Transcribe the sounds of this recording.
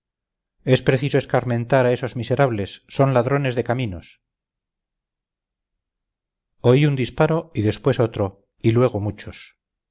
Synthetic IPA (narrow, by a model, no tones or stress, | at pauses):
e̞spɾeθisoe̞skaɾmẽ̞nt̪aɾae̞so̞zmise̞ɾaβlesːo̞nlaðɾo̞ne̞zðe̞kaminos | oiund̪ispaɾo̞iðe̞spwe̞so̞t̪ɾo̞ | ilwe̞ɣ̞omut͡ʃos